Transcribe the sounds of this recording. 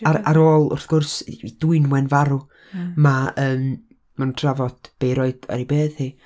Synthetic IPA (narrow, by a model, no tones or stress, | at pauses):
aɾaɾoːlˠʊ̰rθɡ̥ʊrsiduɨnwɛnvaɾʊ | maəːm | manuntʰravɔd̥b̥ejɾoɨd̥ə̰ɾibeːðhi